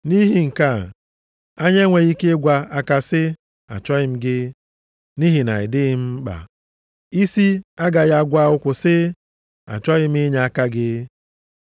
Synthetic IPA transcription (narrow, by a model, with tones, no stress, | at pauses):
ni˦ɦi˦ŋ̩˨ka˦˨ | a˦ɲe˦ŋʷe˨ɣi˦ke˦ɡʷa˦a˦ka˦sɪ˦ | a̰˨t͡ʃɔ˦ɪ˦m̩˦ɡɪ˦ | ni˦ɦi˨na̰˨ɪ˨dɪ˦ɪ˦m̩˦k͡pa̰˨ | i˦si˦a˦ɡa˨ɣa˦˨ɡʷa˦ʊ˦kʷʊ˨sɪ˦ | a̰˨t͡ʃɔ˦ɣɪ˦m̩˦e˦ɲa˨a˦ka˦ɡɪ˦